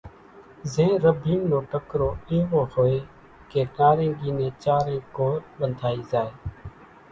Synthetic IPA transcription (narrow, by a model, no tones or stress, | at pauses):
zẽːɾəbʱiːnnoːʈəkɾoːeːʋoːhoːeː | keːʈaːɾẽːɡiːnẽːt͡ʃaːɾẽːkoːɾɓənd̪ʱaːiːzaːeː